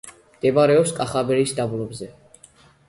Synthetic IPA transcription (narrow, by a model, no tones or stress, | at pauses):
md̪̥ɛbaɾɛɔpskʼaχabɛɾisd̪abulˠɔbzɛ